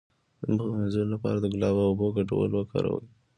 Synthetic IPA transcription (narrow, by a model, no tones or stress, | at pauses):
d̪əmzolapɑ̰ɾad̪əɡʊlɑbaʊboɡaʈa̰wə̰lwəkʰɑ̰ɾa̰wə̰j